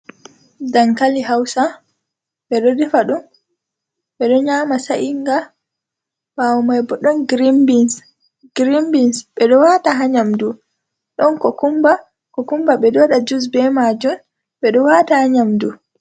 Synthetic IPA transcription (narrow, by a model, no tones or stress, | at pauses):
daŋkaliɦawsa | ɓɛɗɔdɛfaɗum | ɓɛɗɔɲaːmasaʔiŋɡa | ɓawɔmajbɔɗɔnɡɾimbins | ɡ̥ɾimbinsɓɛɗɔwataɦaɲamdu | ɗɔnkɔkumba | kɔkumbaɓɛdɔɗad͡ʒus̬bɛmad͡ʒum | ɓɛɗɔwatahaɲamdu